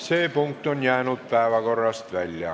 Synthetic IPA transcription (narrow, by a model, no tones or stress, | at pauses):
seːˑpuŋkt̪onjæːnut̪̚pæˑeʋækorɑst̪ʋælʲːæ̰